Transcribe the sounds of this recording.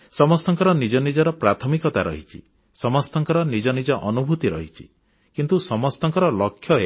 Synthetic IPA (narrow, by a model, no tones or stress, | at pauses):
sɔmɔst̪ɔŋkɔɾɔnid͡ʒɔnid͡ʒɔɾɔpɾat̪ʰɔmikɔt̪aɾɔ̰ɦit͡ʃʰi | sɔmɔst̪ɔŋkɔɾɔnid͡ʒɔnid͡ʒɔʔɔnubʱut̪iɾɔɦit͡ʃʰi̥ | kint̪usɔmɔst̪ɔŋkɔɾɔlɔkʰːjɔe